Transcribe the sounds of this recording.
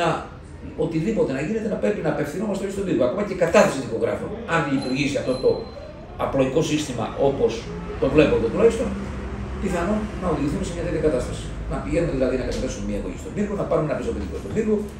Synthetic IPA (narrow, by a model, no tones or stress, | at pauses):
ɐ | ot̪iðipo̞t̪e̞nɐʝine̞t̪e̞nɐpɾe̞pinɐːpe̞fθinumɐst̪eoçist̪oviɾɣuɐko̞mɐce̞kɐt̪ɐθɐsiðiko̞ɣɾɐ̰fonɐnʎit̪uɾʝisiɐft̪o̞t̪o̞ | ɐploʝiko̞sist̪imɐ̰ʔo̞po̞s | t̪o̞vle̞po̞nd̪ot̪ulɐçist̪o̞npiθɐnonnɐoðiʝiθumesemɲɐt̪et̪çɐkɐt̪ɐst̪ɐsi̥ | nɐpiʝe̞numeðilɐðinɐkɐt̪eθe̞sumemiɐeɣo̰çist̪oviɾɣunɐpɐɾumeɐpist̪opit̪ikost̪oviɾɣu